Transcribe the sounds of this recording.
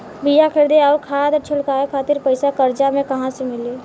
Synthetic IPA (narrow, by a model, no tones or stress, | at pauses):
bijakʰɪɾd̪eɔːɾkʰaːd̪ət͡ʃʰʊlkaːekʰaːt̪ɪɾpəɪsakəɾd͡ʒamẽkɐɦãsemɪleː